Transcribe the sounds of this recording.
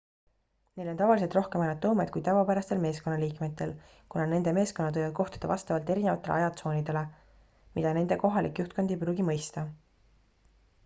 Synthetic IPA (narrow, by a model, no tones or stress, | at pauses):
ne̞jlo̞nt̪ɑvɑlis̬et̪rohkemɑjnɑt̪ːˑoːmed̪̥kujt̪ævɑpæɾɑst̪e̞lme̞ːsko̞nːɑliːkme̞t̪ːˑe̞l | kunɑne̞nd̪̥e̞me̞ːskonɑt̪ojvɑd̪̥̚ko̞ht̪u̥d̪̥ɑvɑ̰st̪ɑvɑlt̪e̞ɾine̞vɑ̰t̪ːˑe̞lḛɑjɑt̪so̞ːnid̪̥e̞le̞ | mid̪ɑne̞nd̪̥e̞ko̞ɦɑlikjuht̪̚ko̞nd̪̥ejpɾuːɡimɤ̞jst̪ɑ